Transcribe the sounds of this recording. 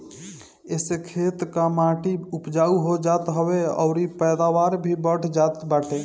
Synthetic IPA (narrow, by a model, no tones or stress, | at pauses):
esekʰet̪kamãːʈiupd͡ʒauɦod͡ʒat̪ɦəweɔ̰ʊɾipɛːd̪aʋaːɾbʱibəʈʰd͡ʒat̪baːʈe